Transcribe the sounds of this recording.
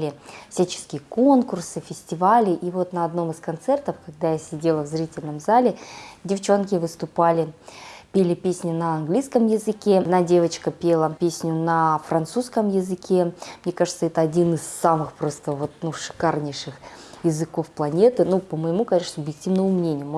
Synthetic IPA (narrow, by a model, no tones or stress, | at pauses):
lʲɪfsʲæt͡ɕɪ̥skʲɪjəko̞nkʊrsɨfʲɪsʲtʲɪvalʲɪʔivo̞t̪nəɐd̪no̞mɨskɐnt̪sɛrt̪əfkɐɡ̚d̪ajasʲɪdʲe̞lˠəvzɾʲitʲɪlʲnəmzalʲɪdʲɪft͡ɕo̞nkʲɪvɨst̪ʊpalʲɪpʲelʲɪpʲesʲnʲʊnəɐnɡlʲijskəmjɪzɨkʲe̞d̪nadʲe̞vət͡ɕkəpʲelˠəpʲesʲnʲʊnəfɾɐnt̪suskəmjɪzɨkʲʰemnʲe̞kaʐɨt̪səɛt̪əɐdʲinɨsːamɨxpɾo̞st̪əvo̞t̪nuʂɨ̥karnʲɪʂɨx | jɪzɨko̞fplˠɐnʲe̞t̪ɨnupəməjɪmukɐnʲeʂəsʊbjɪk̚tʲivnəməmnʲenʲɪjəm